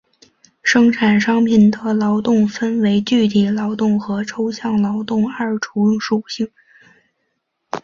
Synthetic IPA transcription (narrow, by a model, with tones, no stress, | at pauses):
ʂɤ˥ŋʈ͡ʂʰa˨˩nʂɑ˥ŋpʰi˨˩nd̪ə˩lɑ˧˥ʊt̪ʊ˥˩ŋfə˥nwe˧˥ɪt͡ɕy˥˩t̪ʰi˧˥lɑ˧˥ʊt̪ʊ˥˩ŋxɤ˧˥ʈ͡ʂʰo˥ʊɕjɑ˥˩ŋlɑ˧˥ʊt̪ʊ˥˧ŋə˞˥˩ʈ͡ʂʰu˧˥ʂu˨˩ɕi˥˩ŋ